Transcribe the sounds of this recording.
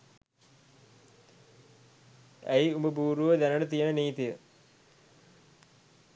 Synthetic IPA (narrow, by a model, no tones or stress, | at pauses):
æ̰jiuməbuːɾuʋəd̪ænənət̪ijənəniːt̪ijə